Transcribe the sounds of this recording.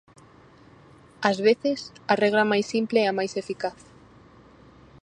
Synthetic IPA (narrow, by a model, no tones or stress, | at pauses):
azβeθesarɛɣ̞lamajsːimpleɛamajsefikaθ